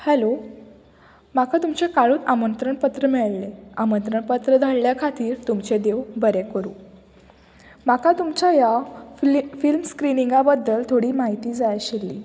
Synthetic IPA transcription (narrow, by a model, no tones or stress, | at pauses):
hɛlo | makʰat̪umt͡ɕekaɭuːt̪amənt̪ɾəɳpət̪ɾəmɛɭleamənt̪ɾəɳpət̪ɾəd̪ʱaɽljakʰat̪iːɾt̪umt͡ɕed̪eʋbəɾekəɾṵː | makat̪umt͡ɕaja | filmskɾiniŋɡabəd̪ːəlt̪ʰoɽiːmaɦit̪iːd͡zajaɕelːḭː